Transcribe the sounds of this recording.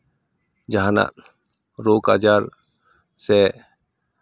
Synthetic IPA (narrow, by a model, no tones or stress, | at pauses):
d͡ʒaɦana̰ | ɾoːka̰ːd͡ʒaːɾ | se